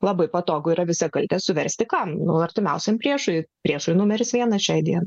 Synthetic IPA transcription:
lˠɐbɐɪpɐt̪oːɡʊiːɾɐʋʲɪsʲɛkɐlʲt̪ʲeːsʊʋʲɛɾʲsʲt̪ʲɪkɐmnʊɐɾʲt̪ʲɪmʲɛʊsʲɛmpʲɾʲiɛʃʊjpʲɾʲiɛʃʊjnʊmʲɛɾʲɪsʋʲiɛnɐʃʲɛɪd̪ʲiɛnɐ

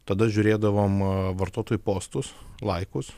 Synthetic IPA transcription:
t̪ɐd̪ɐʒʲʊɾʲeːd̪ɐʋoːmʋɐɾt̪uɔt̪oːjʊpoːst̪ʊslˠɐɪkʊs

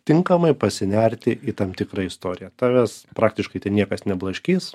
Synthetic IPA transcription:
t̪ʲɪŋkɐmɐɪpɐsʲɪnʲɛɾʲt̪ʲɪʔiːt̪ɐmt̪ʲɪkɾɐɪst̪oːɾʲɪjɛt̪ɑːʋʲɛspɾɑːk̚t̪ʲɪʃkɐɪt̪ʲɐɪnʲiɛkɐsnʲɛblˠɐʃʲkʲiːs

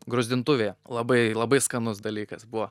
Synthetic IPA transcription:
ɡɾoːzʲd̪ʲɪnt̪ʊʋʲeːlˠɐbɐɪlˠɐbɐɪskɐnʊsd̪ɐlʲiːkɐsbʊʋɔ

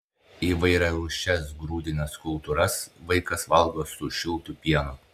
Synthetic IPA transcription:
iːʋɐɪɾʲɛɾʊːʃʲt͡ʃʲɛsɡɾuːd̪ʲɪnʲɛskʊlˠt̪uɾɐsʋɐɪkɐsʋɐlˠɡ̪oːsʊʃʲɪlˠt̪ʊpʲiɛnʊ

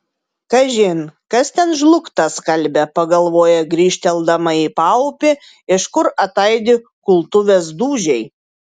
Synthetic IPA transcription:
kɐʒʲɪnkɐst̪ʲɛnʒlˠʊkt̪ɐskɐlʲbʲɛpɐɡɐlˠʋoːjɛɡɾʲiːʃʲt̪ʲɛlˠd̪ɐmɐiːpɑʊʊpʲɪ | ɪʃkʊɾɐt̪ɐɪd̪ʲɪkʊlˠt̪ʊʋʲeːsd̪uːʒʲɛɪ

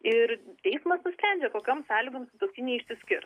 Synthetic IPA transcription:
ɪɾt̪ʲɛɪsmɐsnʊsʲpʲɾʲɛnʲd͡ʒʲɛkoːkʲomsɑːlʲiɡoːmsʲɪt̪ɐʊkʲɪnʲeɛɪʃʲsʲɪsʲkʲɪɾt̪

